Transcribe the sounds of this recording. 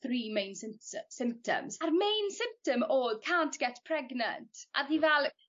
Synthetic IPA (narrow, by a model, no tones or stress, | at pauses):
θriːmẽɪ̃nsɪmssɪ̃mp̚tʰə̰mz̥ərmejnsɪ̃mp̚təmoːdkʰaːntɡ̥ɛtpʰr̥ɛɡnə̰̃ntʰʔa̰ðivɛlˠ